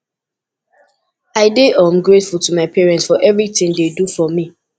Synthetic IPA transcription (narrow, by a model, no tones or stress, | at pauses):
aɪdeʔãmɡɹetfulˠtʰumaɪpʰɛɹɛ̃ntsfɔʔɛvɹitɪ̃ŋdedufɔmi